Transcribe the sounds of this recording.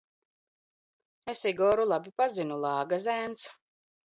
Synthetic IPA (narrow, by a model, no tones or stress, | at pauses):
esiɡɔːɾulˠabipazinulˠɑːɡazæːnt̪s